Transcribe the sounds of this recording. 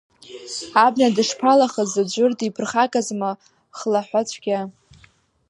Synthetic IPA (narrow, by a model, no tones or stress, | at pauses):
abnadɨʂpʰalaχəzad͡ʒʷʊrtʼipʰɨrχakʼazma | χlaħʷat͡ɕʷʰɡ̥ʲa